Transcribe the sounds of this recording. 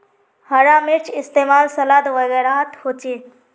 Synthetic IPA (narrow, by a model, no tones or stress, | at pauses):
hɐɾaːmeɾt͡ʃɪst̪eːmaːlsɐlaːd̪ʋɐɣɛːɾat̪hoːt͡ʃeː